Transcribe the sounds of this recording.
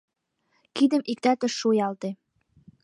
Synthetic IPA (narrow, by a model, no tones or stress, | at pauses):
kid̪ə̆mʔik̚t̪æt̪ə̆ʃujɑlt̪e